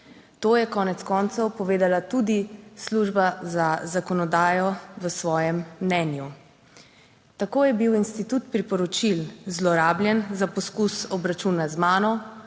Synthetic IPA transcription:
t̪oːjɛkɔːnɛt̪skɔːnt̪sɔwpɔʋeːd̪alat̪ud̪isluʒbazazakɔnɔd̪aːjɔʋəsʋɔːjɛmːnɛnju | t̪akoːjɛbiwinst̪it̪ut̪pɾipɔɾɔt͡ʃilzlɔɾaːblʲjɛnzapɔskusɔbɾat͡ʃunazmaːnɔ

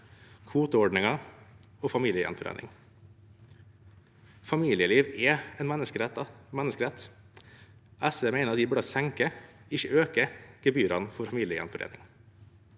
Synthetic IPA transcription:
kʰʋuːt̪əɔɖɳɪŋɑ | oːfɑmiːləjɛ̰nfɔɾʔḛːnɪ̰ŋ | fɑmiːlɪəliːʋɛɛnmɛnːəskəɾɛt̪ɑmænəskəɾɛt̪ | ʔæseːmeɪnəɾɑt̪d̪iːbʉɖɑsæŋkəɪçəʔøːkəɡ̥ɛbyːɾɑnfɔɾfɑmiːləjɛ̰nfɔɾḛːnɪ̰ŋ

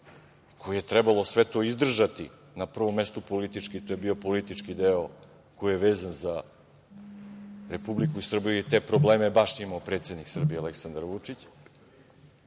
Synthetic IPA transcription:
kʰo̞jijet̪ɾɛbalosʋet̪o̞ːizd̪r̩ʒat̪ḭ | napr̩ʋo̞mːest̪upo̞lit̪it͡ʂkit̪ojebio̞po̞lit̪it͡ʂkid̪eo | ko̞jijeʋeːzanza | ɾe̞publikuisr̩bijujet̪e̞ːpɾobleːmebaʃimaopɾet̪sed̪niksr̩bijealeksand̪aɾʋut͡ʂit͡ɕ

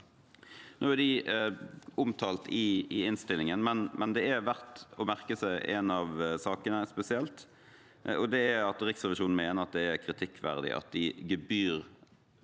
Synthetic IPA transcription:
noːæd̪ɪ | ʔʊmt̪ʰɑːlt̪ʰɪɪɪnst̪ɪlɪŋənmɛnmɛnd̪ɛæɾʋæɾt̪ɔmæʁkəsæɪʔɛ̰nɑʋsɑːkənəspɛsɪɛlt̪ | ɔd̪ɛæɾɑt̪ɾɪksʁɛʋɪʃuːnn̩meːnəɾɑt̪̚d̪ɛæɾkʰɾɪt̪ʰɪkːʋæ̰ʁd̪ɪ̰ʔɑ̰t̪̚d̪ɪɡəbyːɾ

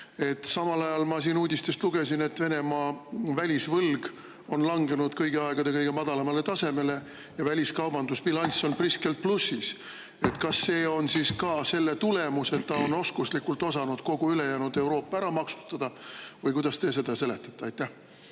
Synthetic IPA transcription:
e̞t̪ːˑsɑmɑlɑjɑlmɑsiːnuːd̪̥ʲist̪e̞st̪luɡ̥e̞sine̞t̪ːve̞ne̞mɑːvælʲisvɤlɡ̥ | o̞nlɑŋɡe̞nud̪̥kɤjɡ̥eɑe̞ɡ̥ɑd̪e̞kɤjɡ̥e̞mɑd̪̥ɑlɑmɑle̞t̪ɑse̞me̞le̞ | jɑvælʲiskɑwbɑnd̪uspilɑnʲso̞npriske̞lt̪̚plusːis | e̞t̪kɑsːe̞ːo̞nsiskɑse̞lːet̪ule̞muse̞t̪ːɑo̞no̞skuslikːult̪ːˑo̞sɑnud̪̥ko̞ɡ̥uyle̞jæːnud̪e̞wɾo̞ːpːˑɑæɾɑmɑksu̥st̪ɑd̪̥ɑvɤjkujd̪ɑst̪e̞se̞d̪̥ɑse̞le̞t̪ːˑɑt̪ːeɑjt̪ːæh

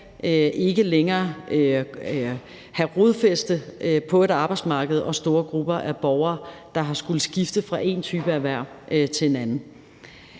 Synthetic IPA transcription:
ʔøʔe̝ɡ̥əleŋɐːø | hæʁoðˠfesd̥əpʰɒ̽e̝ɾ̥ɑ̈ːb̥ɑ̈ɪd̥smɑ̈ːɡ̥əð̞̩ˠɒ̽sd̥o̝ːɐɡ̥ʁub̥ɐʔæb̥ɒʊɐːd̥ɑ̈ɦɑ̈sɡ̥ul̩ˠsɡ̥ifd̥əfʁɑ̈ʔe̝̰nt͡sʰyːb̥əæʋæɐ̰ | ʔøt͡sʰe̝enænn̩

